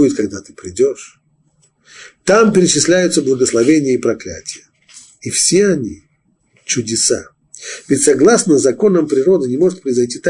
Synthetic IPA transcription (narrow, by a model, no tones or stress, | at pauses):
ujʲɪt̪kɐɡd̪at̪ɨ̥pɾʲɪdʲoʂ | t̪ampʲɪɾʲɪt͡ɕɪsʲlʲæjʊt̪səblˠəɡəslˠɐvʲenʲɪjəipɾɐklʲæ̰tʲɪjə | ifsʲeɐnʲi | t͡ɕʊdʲɪsa̰ | vʲɪtʲsɐɡlˠasnəzɐko̞nəmpɾʲɪɾo̞d̪ɨnʲɪmo̞ʐɨt̪pɾəɪzɐjtʲit̪a